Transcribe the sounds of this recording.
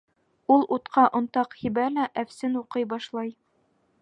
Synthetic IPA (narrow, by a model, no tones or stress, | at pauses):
ulˠʔut̪qʰɑʔŏnt̪ɑqhibælæʔæfsɘnuqɤjbɑʃlˠɑj